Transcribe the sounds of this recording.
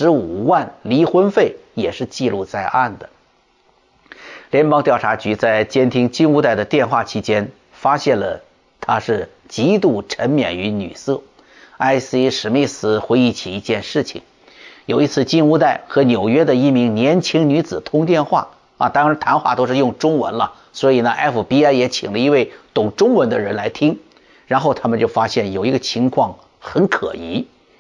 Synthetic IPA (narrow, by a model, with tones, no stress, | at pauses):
ʂɻ̩˧˥u˨˩wa˥˩nli˧˥xwə˥nfe˥˩ɪjɛ˨˩ʂɻ̩˥˧t͡ɕi˥˧lu˥˧t͡sa˥˧ɪʔa˥˩nd̪ə˩ | ljɛ˧˥npɑ˥ŋt̪jɑ˥˩ʊʈ͡ʂʰa˧˥t͡ɕy˧˥t͡sa˥˩ɪt͡ɕjɛ˥nt̪ʰi˥ŋt͡ɕi˥˧nu˥˧t̪a˥˩ɪd̪ə˩t̪jɛ˥˧nxwa˥˩t͡ɕʰi˥t͡ɕjɛ˥n | fa˥ɕjɛ˥˩nlə̰˩ | t̪ʰa˥ʂɻ̩˥˩ | t͡ɕi˧˥t̪u˥˩ʈ͡ʂʰə˧˥nmjɛ̰˨˩ny˧˥ny̰˨˩sɤ˥˩ | a˥ɪsi˥ʂɻ̩˧˥məi˥i˩sɹ̩˧˩xwe˧˥ɪi˥˩t͡ɕʰi˨˩i˧˥t͡ɕjɛ˥˧nʂɻ̩˥˩t͡ɕʰḭ˨˩ŋ | jo˨˩ʊi˧˥t͡sʰɹ̩˥˧t͡ɕi˥˧nu˥˧t̪a˥˩ɪxɤ˧˥njo˨˩ʊɥɛ˥d̪ə˨i˧˥mi˧˥ŋnjɛ˧˥nt͡ɕʰi˥ŋny˧˥t͡sɹ̩˨˩t̪ʰʊ˥ŋt̪jɛ˥˧nxwa̰˥˩ | ɐ̰˧t̪ʰɑ˥˧ɻnt̪ʰa˧˥nxwa˥˩t̪o˥ʊʂɻ̩˥˧jʊ˥˩ŋʈ͡ʂʊ˥ŋwə̰˧˥nlə˧ | swɔ˧˥i˨˩nə˦ʔɛ˥fu˨˩pi˥a˥jɛ˧˥t͡ɕʰḭ˨˩ŋlə˦i˧˥we˥˩ɪt̪ʊ˨˩ŋʈ͡ʂʊ˥ŋwə˧˥nd̪ə˧ɻə˧˥nla˧˥ɪt̪ʰi˥ŋ | ɻa˧˥nxo˥˩ʊt̪ʰa˥mə˨nt͡ɕjo˥˩ʊfa˥ɕjɛ˥˩njo˨˩ʊi˧˥ɡə˧t͡ɕʰi˧˥ŋkʰwɑ˥˩ŋ | xə˧˥nkʰɤ̰˨˩i˧˥